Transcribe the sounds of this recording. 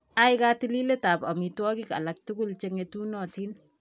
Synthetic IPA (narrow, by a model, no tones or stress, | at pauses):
aɪkaːtililetaːpamitwɔkika̰lak̚tukult͡ʃeŋetunɔtin